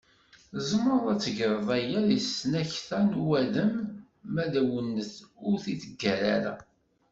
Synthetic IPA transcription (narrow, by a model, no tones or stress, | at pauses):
zˤəmɾˤðˤæt͡sːəʝɾˤəðˤæjælisnæçθænwæðəmː | æðæwənːəθʊɾθit͡sːəɡːæɾaɾæ̰